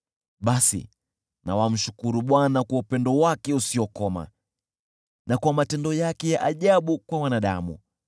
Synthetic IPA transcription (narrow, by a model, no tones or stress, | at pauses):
ɓasḭ | na̰wam̩ʃu̥kuɾuɓwanakwaupɛndɔwakɛusiɔkɔma̰ | nakwamatɛndɔjakɛjaʔaʄaɓukwawanaɗa̰mṵ